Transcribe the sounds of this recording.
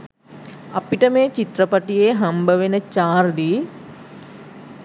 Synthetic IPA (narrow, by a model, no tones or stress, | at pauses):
apiʈəmeːt͡ʃit̪ɾəpaʈijeːɦambəʋenət͡ʃaːrd̪iː